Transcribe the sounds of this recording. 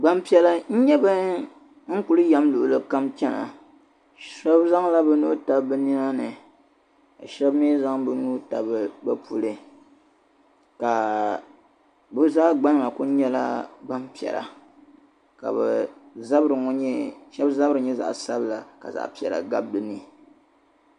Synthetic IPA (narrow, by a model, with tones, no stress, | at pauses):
ɡ͡ba˦mpi˨ɛ˨la˦n̩˦ɲɛ˦ba˦ | ŋ̩˦ku˨˦lɨ˦ja˦mlu˨ʔʊ˨lɨ˦ka˦mt͡ʃɛ˦na̰˨ | sɔ˦bza˦ŋla˦bɛ˦nuː˦ta˨bɨ˦ni˦na˦nɨ˨ | ka˨ʃɛ˦bmi˦za˦ŋbɨ˨˦nuː˦ta˨bɨ˨bɛ˦pʰu˦lɨ˦ | ka˨ | bɨ˦zaː˦ɡ͡ba˦n˨la˨ku˦ɲɛ˦la̰˦ba˦mpi˨ɛ̰˨ɾa̰˨ | ka̰˨bɛ˨za˦bɾɨ˨ŋɔ˦ɲɛ˦ʃɛ˦bza˦bɾɨ˨ɲɛ˦za̰˨ʔsa˦bla˨ka̰˨za̰˨ʔpi˨ɛ̰˨ɾa̰˨ɡa˦b̚dɨ˨ni˦